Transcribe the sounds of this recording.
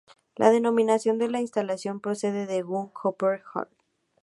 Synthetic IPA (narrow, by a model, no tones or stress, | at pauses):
lʔa̰ðe̞no̞mĩnasjo̞nd̪e̞lainst̪alasjo̞mpɾo̞se̞ðeðeɣuŋkʰopeɾxa̰ɾt̪